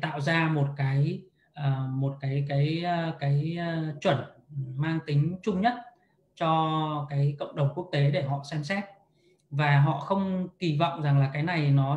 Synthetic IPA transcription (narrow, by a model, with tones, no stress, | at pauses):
t̪a̰ː˧˨wzaː˧mo˨˩t̚kaː˨˦j | ʔəː˨˩mo˨˩t̚kaː˨˦jkaː˨˦jkaː˨˦jt͡ɕwə˧˩nmaː˧ŋt̪ï˨˦ŋ̟t͡ɕʊ˧ŋ͡mɲə˦˥t̚ | t͡ɕɔ˧kaː˨˦jkə̰˧˨wŋ͡mɗə˨˩wŋ͡mku˦˥ək̚t̪e˨˦ɗe˧˩ɦɔ̰˧˨sɛ˧msɛ˦˥t̚ | vaː˨˩ɦɔ̰˧˨xə˧wŋ͡mki˨˩vɔ̰˧˨wŋ͡mza˨˩ŋlaː˨˩kaː˨˦jna˨˩jnɔ˨˦